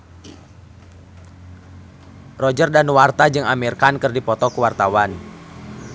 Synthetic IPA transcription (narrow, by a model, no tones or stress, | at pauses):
rɔd͡ʒərdanwart̪ad͡ʒɨŋamirkankɨrdipɔt̪ɔkuwart̪awan